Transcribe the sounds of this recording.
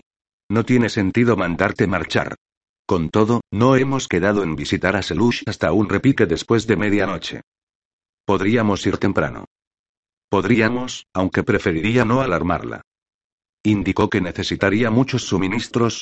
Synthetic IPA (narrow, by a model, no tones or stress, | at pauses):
no̞t̪je̞ne̞se̞nt̪iðo̞mãnd̪aɾt̪e̞maɾt͡ʃa̰ɾ | ko̞nt̪o̞ðo̞no̞e̞mo̞ske̞ðaðo̞e̞mbisit̪aɾaseluʃast̪aunre̞pike̞ðe̞spwe̞zðe̞me̞ðjano̞t͡ʃe̞̰ | po̞ðɾiamo̞siɾt̪e̞mpɾa̰no̰ | po̞ðɾiamo̞sawŋke̞pɾe̞fe̞ɾiɾiano̞alaɾma̰ɾla̰ | ind̪iko̞ke̞ne̞θe̞sit̪aɾiamut͡ʃo̞sːumĩnist̪ɾo̞s